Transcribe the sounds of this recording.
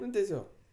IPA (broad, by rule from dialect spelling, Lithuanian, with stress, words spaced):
ˈnʊ tʲɛˈsʲoːk